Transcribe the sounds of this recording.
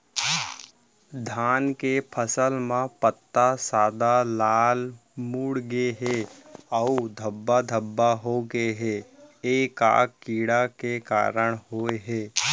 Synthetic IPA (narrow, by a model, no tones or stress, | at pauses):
d̪ʱaːnkepʰəsəlmãpət̪ːasaːd̪alaːlmuːɽɡeɦeəud̪ʱəbːad̪ʱəbːaɦoɡeɦeeːka̰ːkːiːɽakeka̰ːɾəɽ̃ɦoːeɦɛː